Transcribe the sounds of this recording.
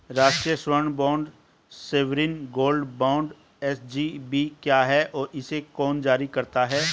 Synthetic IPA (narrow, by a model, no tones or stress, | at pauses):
ɾaːʃʈɾijəʃwəɾəɳbãːɳɖ | seːʋɾiːnɡoːlɖbãːʊ̃ɳɖ | ɛsd͡ʒibikjaːɦɛʔɔːɾɪsekɔːnd͡ʒaːɾikɐɾt̪aɦɛː